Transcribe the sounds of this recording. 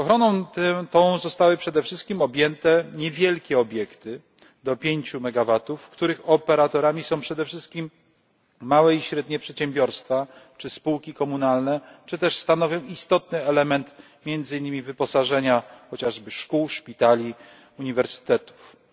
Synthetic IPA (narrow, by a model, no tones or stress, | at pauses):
ɔxɾɔnɔ̃w̃t̪t̪ɔ̃w̃zɔst̪awɘpʂɛd̪ɛfʂɘst̪̚kʲimɔbʲjɛnt̪ɛɲɛvʲjɛlkʲɛɔbʲjɛkt̪ɘ | d̪ɔpʲjeɲt͡ɕumɛɡavat̪ufkt̪uɾɘxɔpɛɾat̪ɔɾamʲisɔ̃w̃pʂɛd̪ɛfʂɘst̪̚kʲimː | awɛiɕɾɛd̪ɲɛpʂɛt̪ɕɛmbʲjɔɾst̪fat͡ʂɘspuwkʲikɔmunalnɛt͡ʂɘt̪ɛʂst̪anɔvʲjɔ̃w̃ist̪ɔt̪nɘɛlɛmɛnt̪ | mʲjɛnd̪zɘiɲːimʲivɘpɔsaʐɛɲaxɔt͡ɕaʐbɘʂkuwʂpʲit̪alʲi | uɲivɛɾsɘ̥t̪ɛt̪u̥f